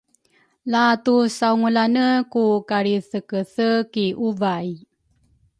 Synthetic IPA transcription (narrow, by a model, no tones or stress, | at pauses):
latusauŋulanəkukaɾiθəkəθəkiʔuvaj